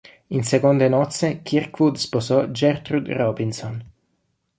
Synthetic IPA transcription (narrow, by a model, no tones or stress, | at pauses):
insekond̪enɔt̪sekirkvud̪sposɔd͡ʒɛrt̪ɾud̪rɔbinsɔn